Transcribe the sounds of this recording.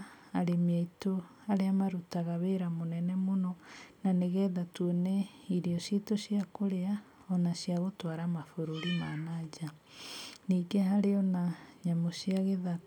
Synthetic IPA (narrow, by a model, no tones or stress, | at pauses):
aɾemjaito | aɾeamaɾutaɣaβeɾamonɛnɛmonɔnaneɣɛːðatuonɛ | iɾiɔʃitoɕiakoɾea | ɔnasiaɣotwaɾamafoɾoɾimanad͡ʒa | niːɡeɦaɾeɔnaɲamosiaɣeða